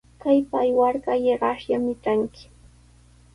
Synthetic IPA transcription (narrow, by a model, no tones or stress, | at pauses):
kajpaːjwaɾkajeɢɑʃjamɪt͡ʃaŋkɪ̥